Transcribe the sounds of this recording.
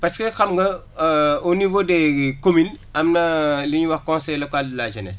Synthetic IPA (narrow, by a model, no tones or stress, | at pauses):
pɐskɛxɐmɡɐ | onivodɛkominɐmnɐliɲuwɐxkɔ̃nsɛjlɔkaldilaʒɐnɛ̰s